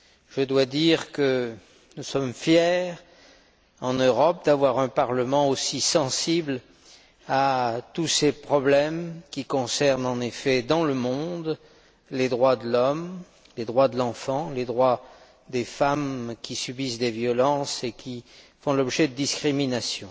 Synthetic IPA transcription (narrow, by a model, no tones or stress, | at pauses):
ʒ̥əd̪wad̪iʁkə | nusɔmfjɛʁ | ɑ̃nøʁɔp̚d̪avwaʁɛ̃paʁləmɑ̃osisɑ̃sibl | at̪usepχɔblɛmkʲikɔ̃sɛʁnɑ̃nefɛd̪ɑ̃ləmɔ̃d̪ | led̪ʁwad̪əlɔm | led̪ʁwad̪əlɑ̃fɑ̃led̪ʁwa | d̪efamkʲisybisd̪evjɔlɑ̃sekʲʰifɔ̃lɔbʒɛd̪əd̪iskχiminasjɔ̃